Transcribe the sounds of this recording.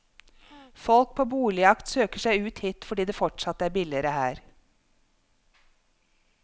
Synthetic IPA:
fɔlk̚pʰoːbuːlɪɑkt̪søːkəʂæɪʉːt̪hiːt̪fɔɖiːd̪eːfɔʈʂɑt̪ːæːɾbɪlɪəɾəhæːɾ

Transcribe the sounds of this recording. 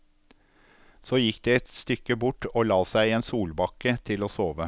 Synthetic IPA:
soːjɪkd̪eːɛt̪st̪ʏkəbʊʈoːlɑːsæɪeːnsuːlbɑkət̪ʰɪloːsoːʋə

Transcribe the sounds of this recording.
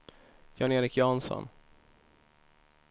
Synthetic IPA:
jɑːneːɾɪkʰjʊansɔ̰n

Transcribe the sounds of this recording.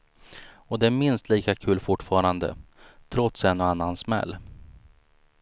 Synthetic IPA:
ɔd̪ɛæɾmɪnst̪liːkakʰʉ̟ːlfʊʈːfɑːɾand̪ə̰t̪ʰɾɔt̪sɛnːoanːansmɛ̰lː

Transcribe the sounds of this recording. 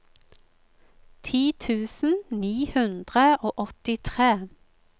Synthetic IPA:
t̪ʰiːt̪ʰʉːsn̩niːhʉnd̪ʁəʔoːʔɔt̪ɪt̪ʰʁeː

